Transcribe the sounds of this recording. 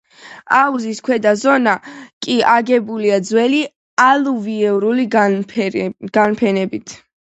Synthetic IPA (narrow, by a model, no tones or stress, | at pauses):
auziskʰwɛd̪azɔnakʼiʔaɡɛbuliad̪zwɛli | aluviɛvɾuli | ɡ̥anpʰɛnɛbit̪ʰ